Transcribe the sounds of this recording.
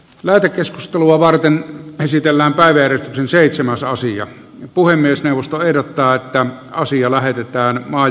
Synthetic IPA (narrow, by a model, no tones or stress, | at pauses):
læːt̪ekːeskust̪eluɑʋɑrt̪enesit̪elːæːmpæˑiʋæjærest̪yksenseˑit̪semæsɑsiɑ̰ | puhemːiesneˑuʋːˑost̪oehdot̪ːɑːet̪ːæ | ɑsiɑlæhet̪et̪ˑæːnmɑː